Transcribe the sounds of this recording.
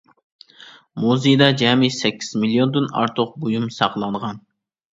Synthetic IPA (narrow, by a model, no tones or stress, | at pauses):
muzɨjd̪ɑd͡ʒɛmisɛkʲʰːi̥z̥milˠijond̪ɨnɑ̰ɾt̪ʰʊq̚bojumsɑqlˠɑɴʁɑn